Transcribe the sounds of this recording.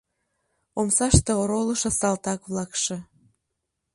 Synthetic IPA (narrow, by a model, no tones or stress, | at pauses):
omsɑʃt̪eoɾoləʃɑsɑlt̪ɑkβlɑkʃe